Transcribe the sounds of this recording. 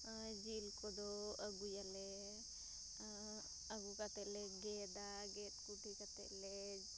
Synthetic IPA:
d͡ʒilkɔd̪ɔəɡujalɛ | əɡukat̪ɛʔlɛɡɛd̪a | ɡɛt̪kuʈikat̪ɛ̰ʔlɛ

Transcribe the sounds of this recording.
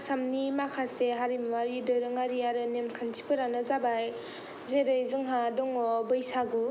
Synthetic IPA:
samnimakʰaseɦaɾimwaɾidɯɾɯŋaɾiaɾɯnemkʰantʰi̥pʰɯɾanazabaj | zeɾɯjzɯŋɦadɔŋɔbɯjsaɡu

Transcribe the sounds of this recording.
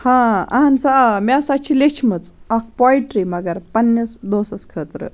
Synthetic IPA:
hãɐ̰ɦɐnsamʲasɐt͡ʃʰilet͡ʃʰmɨt͡sɐk̚pɔjʈɾimɐɡɐɾpɐnːisd̪oːsɐskʰəːt̪ɾɨ̰

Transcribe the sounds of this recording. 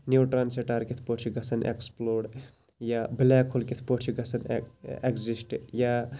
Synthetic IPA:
njuːʈɾaːnseʈaːɾkit̪ʰpoʈt͡ʃʰiɡɐsɐnʔḛksploːɽ | jablɛːkʰolkit̪ʰpoʈt͡ʃʰiɡɐsɐnekzisʈjaː

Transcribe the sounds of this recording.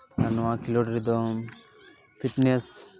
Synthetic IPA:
anuakiloʈɾid̪o | pʰiʈnes

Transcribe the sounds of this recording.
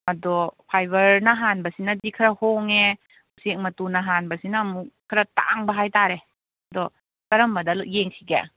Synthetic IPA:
ɐdɔpʰajbɐɾnɐɦanbɐsinɐdikʰɐɾɐhoŋe | usek̚mɐtunɐɦanbɐsinɐːmukʰɐɾɐta̰ŋbɐɦajtaɾe | ɐdɔ | kɐɾɐmbɐdɐlʔjeŋsiɡḛ

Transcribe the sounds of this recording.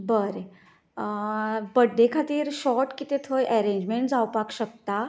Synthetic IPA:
bəɾe | bəɽɖekʰat̪iːɾɕɔɾʈkit̪et̪ʰojʔɛɾẽɲd͡ʑmeɳʈd͡zawpakɕək̚t̪a

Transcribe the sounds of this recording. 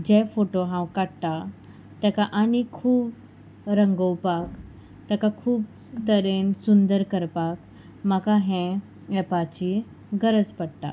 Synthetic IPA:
d͡ʑɛfoʈoɦãwkaɽʈ̪a | t̪ɛkaʔanikʰuːp | ɾəŋɡəwpak | t̪ɛkakʰuːp | t̪əɾensund̪əɾkəɾpak | makaɦɛ̃ | ɛpat͡ɕi | ɡəɾəd͡zpəɽʈ̪a̰

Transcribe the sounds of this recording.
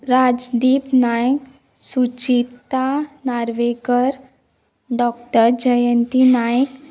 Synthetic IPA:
ɾad͡zd̪iːpnajk | sut͡ɕit̪anaɾʋekəɾ | ɖɔk̚ʈəɾd͡ʑəjənt̪inajk

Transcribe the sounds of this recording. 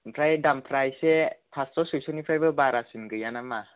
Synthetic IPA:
pʰɾajdampʰɾajsepʰastosɯsʰunipʰɾabəbaɾasinɡɯjanama

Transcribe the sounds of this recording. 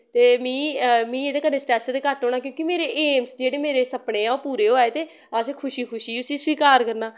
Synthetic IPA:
t̪eːmĩːmĩːeːd̪eːkənːeːsʈɾɛːst̪eːkəʈɦoːɽ̃ɳaːkjõːkimeːɾeːʔeːmsd͡ʒeːɽeːmeːɾeːsəpɽẽːãopuːɾeːɦoeːt̪eː | asekʰʊʃiːkʰʊʃiːʊsiːsʋiːkaːɾkəɾnaː

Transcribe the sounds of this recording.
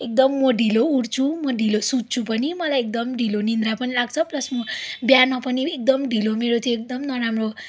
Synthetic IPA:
ek̚d̪ʌmːʌɖʱilouɽt͡sʰumʌɖʱilosud̪̚t͡sʰupʌnimʌlajek̚d̪ʌmɖʱilonind̪ɾapʌnilaɡ̚t͡sʰʌplʌsmʌbjanʌpʌniek̚d̪ʌmɖʱilomeɾot̪ʰjʌek̚d̪ʌmnʌɾamro

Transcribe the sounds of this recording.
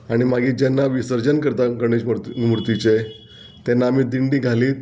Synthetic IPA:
aɽ̃imaɡiːd͡ʑɛnːaʋisəɾd͡ʑənkəɾt̪aɡəɳ̃id͡ʑmɾt̪it͡ɕe | t̪ɛnːaːmiːd̪iɳɖĩːɡʱaliːt̪

